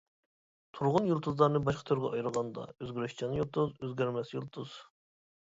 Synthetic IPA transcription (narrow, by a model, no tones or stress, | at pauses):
t̪ʰuɾʁʊnjulˠt̪ʰuzlˠɑɾnɨbɑʃqʰɑt̪ʰøɾɡʲɛɑjɾʁɑnd̪ɑ̰øzɡʲyɾyʃt͡ʃʰɑnjulˠt̪ʰuzøzɡʲæɾmɛsjulˠt̪ʰuz̥